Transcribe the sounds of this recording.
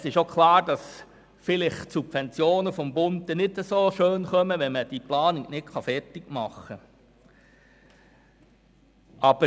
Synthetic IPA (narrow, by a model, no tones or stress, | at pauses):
sɪʃokʰlɑːɾd̥ɑs | fɪlɪχsubfɛnt͡sjoːnəfɔmbʊndɛnɪdəsoːʃøːnχœməʋɛnməd̥iplɑːnɪɡnɪtkʰχɑfɛrtɪɡmɑχə | ʔɑb̥ə